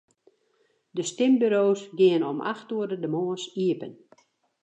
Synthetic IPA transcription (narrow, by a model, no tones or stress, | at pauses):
dəstɪmbyɾoːsɡɪənɔmʔa̰xtuədədəmoəsiəpən